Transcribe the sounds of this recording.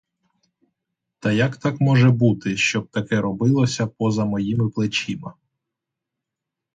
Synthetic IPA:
t̪ɐjɐkt̪ɑkmɔʒɛbut̪ɪʃt͡ʃɔb̚t̪ɐkɛɾɔbɪlˠɔsʲɐpɔzɐmɔjimɪplˠɪt͡ʃimɐ

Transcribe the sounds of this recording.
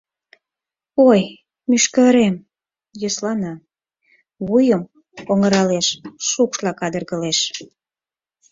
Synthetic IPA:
oj | myʃkəɾem | jəslɑnɑ | βujəm | oŋəɾɑleʃʃukʃlɑkɑd̪ərɣəleʃ

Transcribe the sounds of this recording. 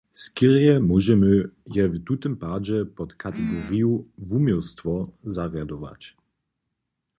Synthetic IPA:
skiʁjɛmɔʒɛmɨjɛvt̪ut̪ɛmpad͡ʑɛpɔt̪kʰat̪ɛɡɔʁijuvumjɔst̪fɔzaʁjad̪ɔva̰t͡ɕ

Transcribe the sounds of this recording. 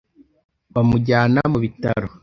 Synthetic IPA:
βamuɟaːnamuβitaɾo

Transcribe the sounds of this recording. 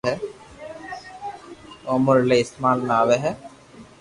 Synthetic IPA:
ɛ | omʊɾleɪst̪maːlnaːʋeɦɛ

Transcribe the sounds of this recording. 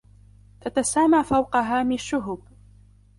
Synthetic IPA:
t̪at̪asaːmaːfawqɑɦaːmɪnaʃːʊɦʊb

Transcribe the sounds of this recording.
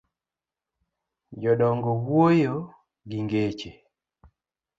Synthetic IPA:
d͡ʒɔɗɔŋɡɔwwojo | ɡiŋɡet͡ʃe

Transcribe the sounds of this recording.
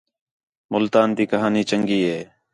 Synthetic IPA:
mʊlt̪aːnt̪iːkəɦaːniːt͡ʃəŋɡiːɦeː

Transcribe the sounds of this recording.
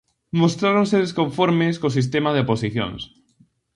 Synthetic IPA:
most̪ɾaɾonseðeskõɱfoɾmeskos̬is̬t̪emað̞eoposiθjo̰ns

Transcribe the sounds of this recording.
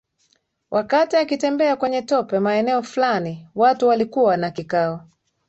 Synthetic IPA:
wʔakatiakitɛmbɛakwɛɲɛtɔpɛmaɛnɛɔflaniwatuwalikuwanakikaɔ

